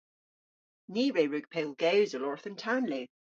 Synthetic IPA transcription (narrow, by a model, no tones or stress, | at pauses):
niːɹeɹʉɡ̥̚pʰelˠɡɛwzəlɔɹθəntʰanleː